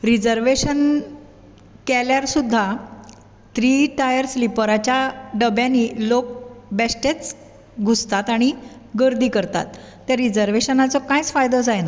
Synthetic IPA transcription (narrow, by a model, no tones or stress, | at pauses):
ɾid͡zəɾʋeɕən | kɛljaɾsud̪ʱːa | t̪ɾiːʈajəɾslipəɾat͡ɕjaɖəbjãnilok̚bɛsʈet͡s | ɡʱust̪at̪aɽ̃i | ɡəɾd̪ʱiːkəɾt̪a̰t̪ː | jaɾid͡zəɾʋeɕənat͡sɔkãjt͡sfajd̪ɔd͡zajna